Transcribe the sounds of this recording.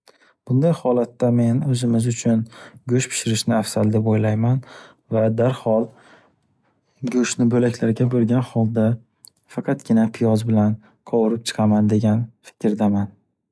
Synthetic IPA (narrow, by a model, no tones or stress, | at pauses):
b̥ʊnd̪ajhɒlat̪ːame̞nɵzɪmɪzʊt͡ʃʰʊnɡʲɵʃpʰɪ̥ʃɪɾɪʃnɪafsald̪epojlajman | vad̪aɾhɒlˠ | ɡʲɵʃnɪbɵlakʰʲlaɾɡʲabɵlɡʲanhɒlˠd̪a | fɑqʰɑt̪ɡʲɪnapʰɪjɒzbɪlan | qʰɒwʊɾɪp̚t͡ʃʰɨ̥qʰɑmand̪e̞ɡʲanfɪ̥kʲɾd̪aman